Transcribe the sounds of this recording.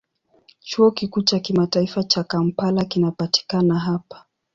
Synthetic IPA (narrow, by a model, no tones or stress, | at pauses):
t͡ʃuɔkikuːt͡ʃakimataifat͡ʃakam̩palakinapati̥kanaɦapḁ